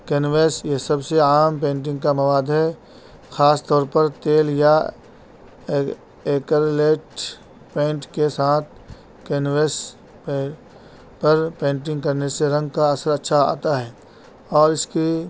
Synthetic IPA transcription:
kenʋeːsjesɐbseaːmpẽːɳʈ̬ɪ̃ŋɡ̚kamɐʋaːd̪ɦɛ | xaːst̪ɔːɾpɐɾt̪eːlja | eːkəɾleːʈ | pẽːɳʈkesaːt̪̚ʰ | keːnʋeːs | pɐɾpẽːɳʈ̬ɪ̃ŋɡkɐɾneseɾɐ̃ŋɡ̚kaɐsəɾɐtːʃʰaa̰ːt̪aɦɛː | ɔːɾɪski

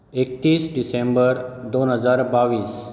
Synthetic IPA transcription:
ek̚t̪isɖisẽmbəɾd̪onɦəzaːɾbaʋiːs

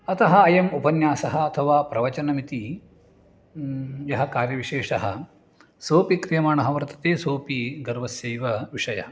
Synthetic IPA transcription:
ɐt̪ɐɦɐːjɐmupɐnjaːsɐɦɐɐt̪ʰɐʋaːpɾɐʋɐt͡ʃɐnɐmit̪i | jɐɦɐkaːɾjɐʋiʂeːʂɐɦɐ̰̆ | soːpikɾijɐmaːɳɐɦɐʋɐɾt̪ɐ̥t̪eːsoːpiɡɐɾʋɐsjeːʋɐʋiʂɐjɐ̰ɦɐ

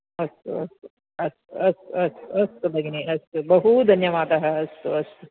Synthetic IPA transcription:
ɐst̪ṵɐ̰st̪u | ɐst̪uɐst̪uɐst̪uɐst̪ubʱɐɡiniʔɐst̪ubɐɦud̪ʱɐnjɐʋaːt̪ɐɦɐɐst̪uɐst̪u

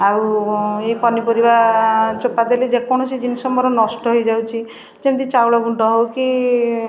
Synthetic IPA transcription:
awejpɔnipɔɾibat͡ʃopad̪eled͡ʒekɔɽ̃ɔsid͡ʒinisɔmɔɾɔnɔsʈɔɦojd͡ʒawt͡ʃʰi | d͡ʒemt̪it͡ʃawɽɔɡuɳʈɔɦɔwki

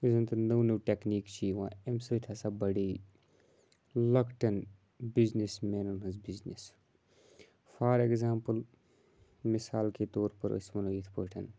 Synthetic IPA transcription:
izɐnt̪ɐnoːnuːʈekniːkt͡ʃʰiʋãːemsot̪ʰasaːbɐɽiː | lɐkʈɐn | biznismeːnunɦɐnzbiznis | fʰaːɾekzaːmpəl | mɪsaːlket̪oːɾpəɾo̰smɐnojit̪ʰpəʈʰɐn

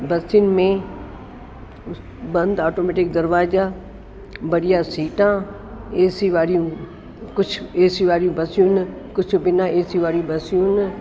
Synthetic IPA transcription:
bɐsiɪnmẽ | bɐ̃nd̪aːʈoːmeːʈɪk̚d̪əɾʋaːzaː | bɐɽɪjãːsiːʈãː | eːsiʋaːɾijũː | kʊt͡ʃʰeːsiʋaːɾijũːbɐsjũnkʊt͡ʃʰbɪnãːeːsiʋaːɾjũːbɐsijũn

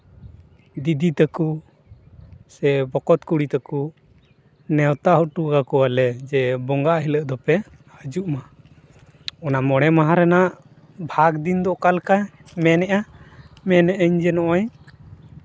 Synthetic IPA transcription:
d̪id̪it̪əku | sɛbɔkɔt̪kuɽit̪ɛku | nɛwt̪aʔɦɔʈuɡakɔalɛd͡ʒɛbɔŋɡaʔɦiləʔd̪ɔpɛ | həd͡ʒuʔma | ɔnamɔɽ̃ɛmaɦãɾɛnaʔ | bʱaɡd̪ind̪ɔʔkalkajmɛnɛʔa | mɛnɛʔəɲd͡ʒɛnɔʔaɲ

